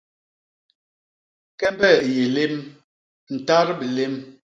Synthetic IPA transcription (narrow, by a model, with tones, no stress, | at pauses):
kɛ˦mbɛ˦˨je˨le˦m | n̩˨ta˦ɾbe˨le˦m